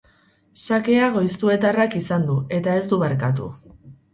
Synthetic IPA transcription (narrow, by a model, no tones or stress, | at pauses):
sake̞aɣo̞jst̪ue̞t̪arakisand̪ue̞t̪ae̞zd̪uβaɾkat̪̬ṵ